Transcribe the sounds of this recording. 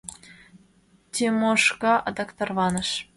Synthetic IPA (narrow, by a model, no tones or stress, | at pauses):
t̪ʲemoʃkɑʔɑ̰d̪ɑkt̪ɤ̆rβɑnɤ̆ʃ